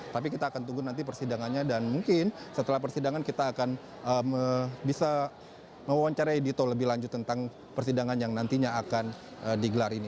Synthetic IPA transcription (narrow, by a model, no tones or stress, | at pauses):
t̪ap̬ikit̪aːkant̪uɡʊnant̪̬ip̬ərsidaŋanɲadanmuŋkɪnsət̪əlahp̬ərsidaŋankit̪aːkan | əməbisa | məwawaɲt͡ʃaɾaidit̪oləbɪhlaɲd͡ʒʊt̪ːənt̪aŋ | pərsidaŋanjaŋnant̪iɲaːkan | ədiɡəlaɾini